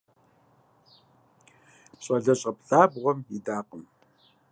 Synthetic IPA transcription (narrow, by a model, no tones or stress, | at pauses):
ɕʼɐɮɐɕʼɐpɬʼaːbʁʷɔmidaːqəm